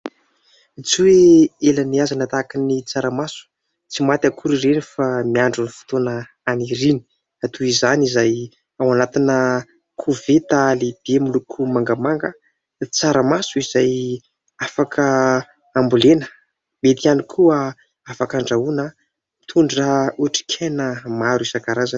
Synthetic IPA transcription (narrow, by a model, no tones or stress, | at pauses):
t͡sueelaniazanət̪akinit͡saɾamasu̥ | t͡simat̪ʲakʰuɾiɾenifamiaɳɖ͡ʐunifu̥t̪onə | aniɾini̥ | at̪uizanizaj | awanat̪inə | kʰuvet̪aleb̪̥emulukʰumaŋɡəmaŋɡə | t͡saɾəmasuiz̥aj | afakʰə | ambulenə̥ | bet̪ianikʰuə | afakaɳɖ͡ʐauna | t̪ʰuɳɖ͡ʐəuaʈ͡ʂi̥kʲʰenəmaɾizakaɾaza